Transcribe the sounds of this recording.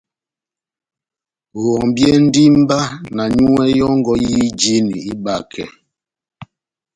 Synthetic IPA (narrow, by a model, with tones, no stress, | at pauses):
ɔ˨ŋ˨bjɛ˦n̩˦di˦m˦ba˦na˨ɲu˦ɛ˦jɔ˦ŋ̩˦ɡɔ˦ji˦d͡ʒi˦ni˨i˦ba˦˨kʰɛ̰˨